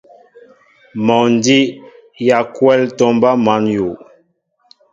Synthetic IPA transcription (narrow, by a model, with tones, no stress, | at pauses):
mɔ˨n˨˦di˦ | ja˨kwɛ˦ltɔ˦mba˦ma˨˦nju˨